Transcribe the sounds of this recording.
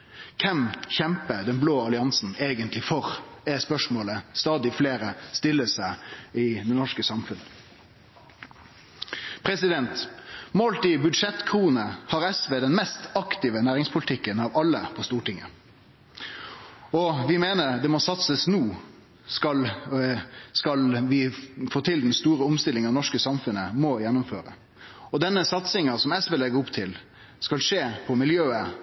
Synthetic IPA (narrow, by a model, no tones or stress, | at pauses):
kʰɛmçɛmpəd̪ɛnbloːɑlɪɑnsn̩eːɡənt̪lɪfɔɾɛspœʂmoːləst̪ɑːd̪ɪfleːɾəst̪ɪlːəsæɪɪd̪ɛnɔʂkəsɑmfʉn | pʰɾɛsɪd̪ɛnt̪molt̪ɪbʉd̪ʂɛt̪kʰʁuːnəhɑːɾɛsʋeːd̪ɛnmɛst̪ɑkt̪ɪʋənæːʁɪŋspʰʊlɪt̪ʰɪkːənɑʋɑlːəpʰɔst̪uːʈɪŋːə | ɔʋɪmeːnəɾd̪ɛmɔsɑt̪səsnuː | skɑl | skɑlʋɪfoːt̪ʰɪld̪ɛnst̪uːɾəʊmst̪ɪlːɪŋɑʋnɔʂkəsɑmfʉnːəmɔjɛnːʊmfø̰ːɾə̰ | ɔd̪ɛnːəsɑt̪sɪŋɑsɔmɛsʋeːlɛɡəʊpt̪ʰɪl | skɑlʂeːpʰɔmɪljøːə